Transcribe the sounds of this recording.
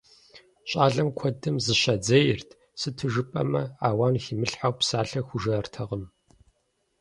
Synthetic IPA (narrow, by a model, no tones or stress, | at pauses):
ɕʼaːɮɐmkʷʰɔdɨmzɨɕɐd͡zɐjɪrtʰ | sɨtʰɨʒɨpʼɐ̰mɐaːwaːnxiːmɨɬħawpsaːɬɐxʷʊʒɐrtʰɐʁəm